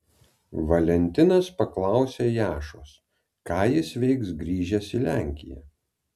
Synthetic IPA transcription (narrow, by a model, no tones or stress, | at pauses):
ʋɐlʲɛnʲt̪ʲɪnɐspɐklˠɑˑʊsʲeːjæːʃoːs | kɑːjɪsʋʲɛɪksɡɾʲiːʒʲɛsɪlʲæˑŋʲkʲɪjɛ̰